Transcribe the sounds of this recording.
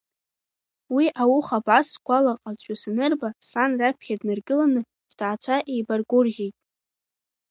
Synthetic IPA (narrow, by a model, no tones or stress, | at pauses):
wiʔawʊχabʕasɡʷʼalaqʼazʷʼʊsnɨrbasanrapʰχʲadnɨrɡɨlanɨ | z̥d̥aːt͡ɕʷʰaʔejbarɡʷʊrʁʲe̞jtʼ